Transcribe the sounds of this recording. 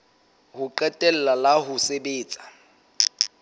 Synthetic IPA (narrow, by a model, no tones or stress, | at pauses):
hʊǃɛtʼɛl̩lalaɦʊsebeːt͡sʼḁ